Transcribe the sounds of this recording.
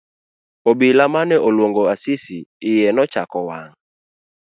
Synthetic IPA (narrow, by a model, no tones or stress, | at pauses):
obilamanɛʔolwoŋɡoasisiːjɛnɔt͡ʃakɔwaŋ̩